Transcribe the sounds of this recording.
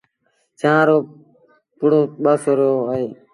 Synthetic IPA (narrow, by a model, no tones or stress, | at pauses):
t͡ʃãːɾoː | pʊɽoːɓəsoɾoːəiː